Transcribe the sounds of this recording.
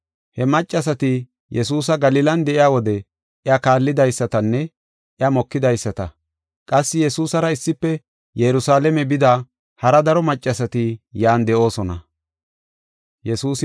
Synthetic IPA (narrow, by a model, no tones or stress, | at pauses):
hɛmɐt͡ʃʼːɐs̬ɐt̪ɪ | jɛs̬uːs̬ɐɡɐliːlɐnd̪ɛʔɪjaːwɔd̪ɛ | ʔɪɐkaːlːɪd̪ɐjsːɐt̪ɐnːɛ | ʔɪɐmɔkːɪd̪ɐjsːɐt̪ɐ | kʼɐsːɪjɛsuːsɐɾɐɪsːɪpːɛ | jɛɾʊsaːlɛmɛbɪd̪a | hɐɾɐd̪ɐɾɔmɐt͡ʃʼːɐsɐt̪ɪjaːnd̪ɛʔo̞ːsɔnɐ̰ | jɛsuːs